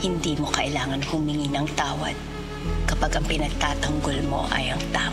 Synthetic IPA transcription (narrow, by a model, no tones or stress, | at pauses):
hɪnd̪iːmo̞kɐʔɪlaːŋɐnhʊmɪŋinɐŋt̪aːwɐ̰d̪̚ | kɐpaɡʔɐŋpɪnɐɡ̚t̪aːt̪ɐŋɡolmo̞̰ʔɐ̰jɐŋt̪aː